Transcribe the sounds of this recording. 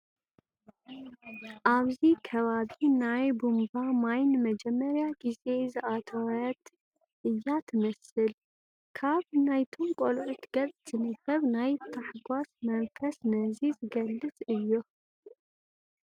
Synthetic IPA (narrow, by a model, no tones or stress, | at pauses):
ʔaβzikʰɐβaβinajbumbamajnmɐd͡ʒɛmːɐɾjaɡ̥ize̞zɨʔat̪ʰɐwɐt̪ | ʔɨjːat̪ʰɨmɐsɨl | kʰaβnajt̪ʰo̞mkʼolʕut̪ɡ̥ɐt͡sʼt̪ʰɨnɨkɐβnajt̪ʰaħɡʷasmɐnfɐsnɐzizɨɡɐlːɨt͡sʼɨjːo